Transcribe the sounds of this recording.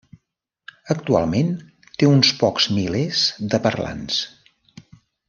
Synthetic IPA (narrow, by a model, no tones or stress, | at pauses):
əkt̪ua̰lˠmen | t̪eunspɔkz̥milezd̪əpərla̰ns